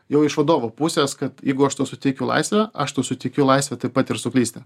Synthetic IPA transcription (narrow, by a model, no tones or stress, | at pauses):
jɛʊɪʃʋɐd̪oːʋoːpusʲeːskɐt̪jɛɪɡʊɐʃt̪uːsʊt̪ʲɛɪkʲʊlˠɐ̰ɪsʲʋʲɛɐʃt̪uːsʊt̪ʲɛɪkʲʊlˠɐɪsʲʋʲɛt̪ɐɪpɐt̪ɪɾsʊklʲiːsʲt̪ʲɛ